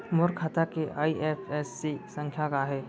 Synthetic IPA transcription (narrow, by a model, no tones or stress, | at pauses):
mʊɾkʰaːt̪akeʔaːiʔeːfʰɛsːisə̃ŋkʰjakaɦɛː